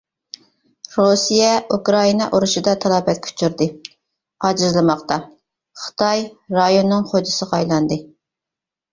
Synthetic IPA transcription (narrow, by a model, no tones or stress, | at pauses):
ɾusijɛʔukɾɑinɑʔoɾuʃid̪ɑt̪ʰɑlˠɑbɛt̪̚kʲʰy̥t͡ʃʰyɾd̪ɨ | ɑd͡ʒɨzlˠɨmɑχt̪ɑ | χə̥t̪ʰɑjɾɑjonːɨŋχod͡ʒɪsəʁɑɑjlˠɑnd̪ɨ